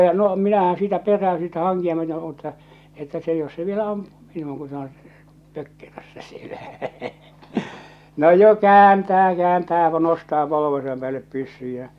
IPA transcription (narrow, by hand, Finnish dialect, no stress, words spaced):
jɑ no minæhæ̃ː siːtæ perːæø siːtæ hɑŋkiɑ myøte mutːɑ etːæ se jos se ʋielæ ɑmpu̥ː mi̥n̥nuːŋ ku se õː pøkːerøsːæ sielæ no jo kæːntæː kæːntæː jɑ nostɑː poloʋesɑm pĕæːlːep pysːyj jæ